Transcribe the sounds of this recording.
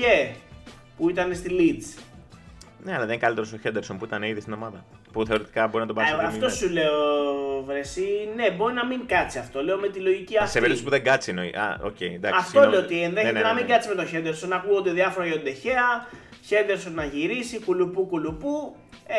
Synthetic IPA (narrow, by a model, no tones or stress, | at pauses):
e | puit̪ɐne̞st̪ilit͡s | neɐlɐðeŋkɐlit̪eɾosoçend̪eɾsompuit̪ɐneiðist̪ino̞mɐðɐ | puθe̞o̞ɾet̪ikɐbo̞ɾinɐt̪obɐɐt̪o̞sule̞ovɾesine̞bo̞ɾinɐmiŋkɐt͡siɐft̪o̞le̞o̞me̞t̪ilo̞ʝiciɐfseveɾiiospuðeŋɡɐt͡sinoḭɐ̰o̰ceind̪ɐ̰ɐsft̪o̞eoot̪ienðenenɐmiɡɐt͡sime̞t̪o̞çend̪eɾso̞nɐkuond̪eðiɐfo̞ɾɐʝeond̪e̞çe̞ɐ | çe̞nd̪e̞ɾso̞nːɐʝiɾisikulupukulupu | e